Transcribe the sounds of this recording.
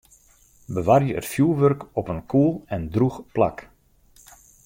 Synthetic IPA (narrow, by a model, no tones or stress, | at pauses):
bəʋarjəə̰tfjuːlˠʋørkɔpənkʰuːlˠɛndruxpla̰k